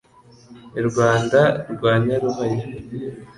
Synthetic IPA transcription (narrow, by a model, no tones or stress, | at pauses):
ɾɡwaːndaɾɡwaːɲaɾuɦaje